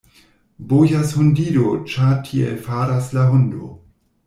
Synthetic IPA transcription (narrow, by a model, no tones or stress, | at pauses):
bojashondiɾot͡ʃatʰiḛlfaɾaslaɦondo̰